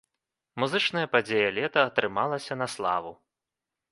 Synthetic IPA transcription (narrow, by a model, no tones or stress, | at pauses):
muzɨt͡ʂnɐjɐpad͡zʲejɐlʲɛt̪ɐːt̪ɾɨmalˠɐsʲɐnɐslˠa̰vu